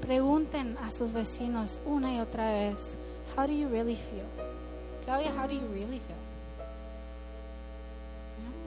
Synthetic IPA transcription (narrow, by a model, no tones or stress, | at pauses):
pɾeɣũnt̪enasuzβesinosunaiot̪ɾaβes | hawɾujuɹilˠifilˠ | klawðjaɦawɾujuɹilˠifilˠ | ja